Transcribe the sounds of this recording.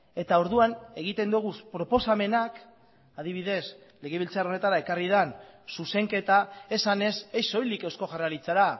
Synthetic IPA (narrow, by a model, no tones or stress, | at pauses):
e̞t̪ao̞ɾðuane̞ɣ̞it̪e̞nd̪uɣ̞uspɾo̞po̞same̞nak | að̞iβiðe̞s | le̞ɣ̞eβ̞ilt͡saro̞ne̞t̪aɾae̞karið̞ansuse̞ŋke̞t̪ae̞sane̞sejso̞jlikewsko̞ʝarealit͡seɾa